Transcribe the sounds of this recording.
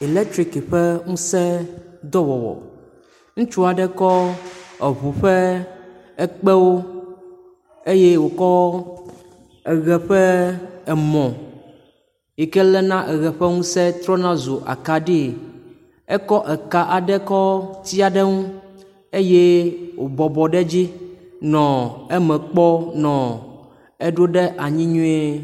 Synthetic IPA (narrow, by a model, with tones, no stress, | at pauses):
i˨lɛ˦k̚t̪ɾi˨kɸɛ˦ŋũ˦sɛ˦d̪ɔ˦wɔ˨wɔ̰˨ | ŋũ˦t͡ʃu˦a˨ɖɛ˦kɔ˦ɛ˨βu˨ɸɛ˦ | ɛ˦k͡pɛ˦wo˦ | e˦je˦wo˨kɔ˦ | ɛ˨ɣɛ˨ɸɛ˦ɛ˨mɔ̃˨ | ji˨kɛ˦lɛ˦nã˦ʔɛ˨ɣɛ˨ɸɛ˦ŋũ˦sɛ˦t̪ɾɔ˦nã˦zo˨ʔa̰˨ka˨ɖi˦˨ | ɛ˦kɔ˦ʔɛ˨ka˨ʔa˨ɖɛ˦kɔ˦t̪i˦a˨ɖɛ˦ŋũ˦ | e˦je˦wʔo˨bɔ˨bɔ˨ɖɛ˦d͡ʑi˦nɔ̃˨ɛ˦mɛ̃˨k͡pɔ˦nɔ̃˨ | ɛ˦ɖo˦ɖɛ˦ʔa˨ɲĩ˦ɲũ˦e˦